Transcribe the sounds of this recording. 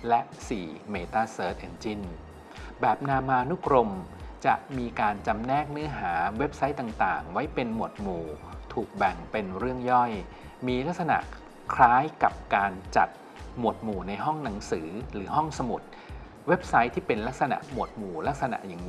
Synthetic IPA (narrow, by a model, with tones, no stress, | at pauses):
lɛ˦˥ʔsḭː˨˩meː˧t̪aː˥˩sɤː˦˥t̪̚ʔe˧nt͡ɕi˦˥˩n | bɛː˨˩p̚naː˧maː˧nu˦˥kɾo˧mt͡ɕa̰˨˩ʔmiː˧kaː˧nt͡ɕa˧mnɛː˥˩k̚nɯ˦˥ɐɦaː˩˦we˦˥p̚sa˦˥jt̪a˨˩ŋt̪aː˨˩ŋwa˦˥jpe˧nmu˨˩ət̪̚muː˨˩t̪ʰuː˨˩k̚bɛ˨˩ŋpe˧nɾɯ˥˩əŋjɔ˥˩j | miː˧la˦˥k̚sa˧na̰˨˩ | kʰɾaː˦˥jka˨˩p̚kaː˧nt͡ɕa̰˨˩t̪̚ | mu˨˩ət̪̚muː˨˩na˧jɦɔ˥˩ŋna˩˦ŋsɯː˩˦ɾɯː˩˦ɦɔ˥˩ŋsa˧mu˨˩t̪̚ | we˦˥p̚sa˦˥jt̪ʰiː˥˩pe˧nla˦˥k̚sa˧na̰˨˩ʔmu˨˩ət̪̚muː˨˩la˦˥k̚sa˧na̰˨˩ʔja˨˩ŋ˦